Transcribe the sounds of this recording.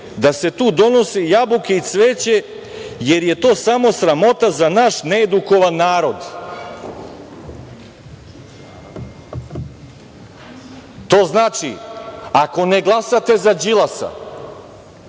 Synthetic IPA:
d̪ase̞t̪uːd̪o̞no̞sijabukeisʋeːt͡ɕe̞ | je̞ɾje̞t̪o̞ːsamo̞sɾamo̞t̪azanaʃneːd̪uko̞ʋanːaːɾo̞d̪ | t̪o̞ːznaːt͡ʃiako̞neɡlˠasat̪e̞zad͡ʑilˠasa̰

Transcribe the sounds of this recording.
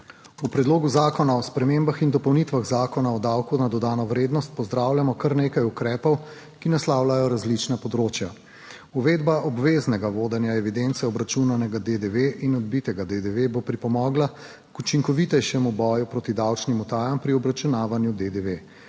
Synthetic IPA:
upɾɛd̪loːɡuzaːkɔnaɔspɾɛmembaxind̪ɔpɔwnit̪ʋaɣzaːkɔnaɔd̪awkunad̪ɔd̪aːnɔʋɾeːd̪nɔst̪̚pɔzd̪ɾaːwlʲjamɔkɐɾneːkajukɾɛːpɔw | kinaslaːwlajɔɾazlit͡ʃnapɔd̪ɾoːt͡ʃja | uʋed̪baʔɔbʋeːznɛɡaʋoːd̪ɛnjaɛʋid̪ent̪sɛɔbɾat͡ʃunanɛɡad̪ed̪eʋeʔinɔd̪̚bit̪ɛɡad̪ed̪eʋebopɾipɔmɔːɡla | kut͡ʃiŋkɔʋit̪ɛjʃɛmubɔːjupɾoːt̪id̪awt͡ʃnimut̪aːjampɾiɔbɾat͡ʃunaːʋanjud̪ed̪eʋe

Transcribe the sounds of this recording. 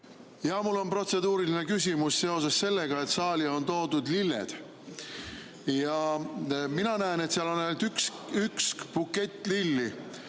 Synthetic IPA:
jɑmulːo̞npro̞t̪se̞d̪uːɾiline̞kysʲimusse̞o̞s̬e̞sːe̞lːe̞ɡ̥ɑe̞t̪sɑːlio̞nt̪o̞ːd̪ud̪lilːḛd̪̥ | jɑ | minɑnæene̞t̪seiɑlo̞nælt̪yksykskb̥ukːe̞t̪ˑːlilːi

